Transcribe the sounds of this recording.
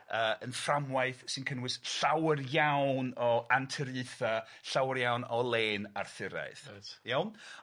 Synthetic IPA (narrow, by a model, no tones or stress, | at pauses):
əːənframwaɨθsɪnkʰənwɨsɬawərjawnɔantʰəɾɨɨθa | ɬawəɾjawnɔlˠeːna̰rθɪɾa̰ɨθjawn